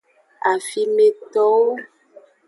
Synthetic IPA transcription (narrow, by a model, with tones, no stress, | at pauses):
a˨fi˨mẽ˨t̪ɔ˨wo˦